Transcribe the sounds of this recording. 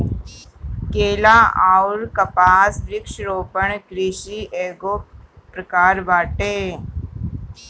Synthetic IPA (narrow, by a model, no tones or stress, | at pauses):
keːlaːaːʊɾkɐpaːsɾɪkʃɾoːpəɳɡɾiːʃiʔeːɡoːpɾɐkaːɾʋaːʈeː